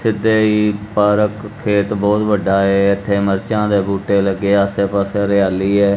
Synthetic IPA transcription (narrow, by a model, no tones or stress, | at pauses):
sɪd̪eːiːpaːɾəkʰːeːt̪bɔːt̪ʋəɖaːɛːɪt̪ʰːeːməɾt͡ʃãːd̪eːbuːʈeːləɡːeːəseːpaːseɾɪaːliːɛː